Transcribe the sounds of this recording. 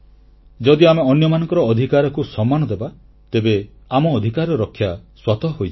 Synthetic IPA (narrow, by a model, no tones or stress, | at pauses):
d͡ʒɔd̪iameɔnjɔmanɔ̃ŋkɔɾɔːd̪ʱikaɾɔkusɔmːanɔd̪eba | t̪ebe | amɔːd̪ʱikaɾɔɾɔkʰːjaswat̪ɔɦojt͡ʃʰ